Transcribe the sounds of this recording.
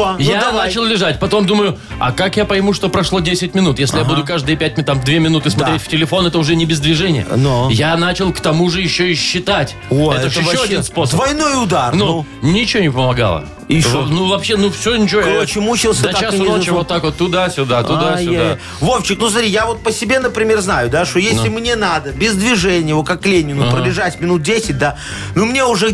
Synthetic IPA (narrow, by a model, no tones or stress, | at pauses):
janat͡ɕɪlˠlʲɪʐatʲpɐt̪o̞md̪uməjʊ | ɐ̰kakjapəjɪmuʂt̪o̞pɾɐʂlˠo̞dʲesʲɪt̚ʲmʲɪnut̪jesʲlʲɪjabud̪ʊkaʐd̪ɨjəpʲæt̚ʲmʲt̪amd̪vʲemʲɪnut̪ɨsmɐt̪ɾʲetʲftʲɪlʲɪfo̞nɛt̪əʊʐɛnʲɪbʲɪzd̪vʲɪʐɛnʲɪ̰jə̰nojanat͡ɕɪlˠkt̪ɐmuʐɨjɪɕːoɪɕːɪt̪atʲ | oɛt̪əɪːoɐinspo̞sd̪əvɐjnojʊd̪arnu | nʲɪt͡ɕɪvonʲɪpəmɐɡa̰lˠə̰ | ɪnuvɐpɕːenufsʲonʲɪt͡ɕɪvokɐɾot͡ɕɪmut͡ɕɪlˠsʲət̪ɐt͡ɕaasnot͡ɕɪvot̪ːakvot̪ːʊd̪asʲʊd̪at̪ʊd̪asjʊda | voft͡ɕɪknusmɐt̪ɾijavo̞t̪̚pəsʲɪbʲe̞nəpɾʲɪmʲe̞rznajʊd̪aʂt̪o̞jesʲlʲɪmnʲenad̪əbʲɪzd̪vʲɪʐɛnʲɪjəvokakːlʲenʲɪnʊpɾədlʲɪʐatʲmʲɪnut̪̚dʲesʲɪt̚ʲd̪a | numnʲeʊʐɛ